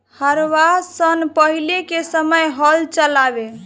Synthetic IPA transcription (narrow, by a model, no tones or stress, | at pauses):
həɾʋasənpəɦilekesəməjɦəlt͡ʃəlabe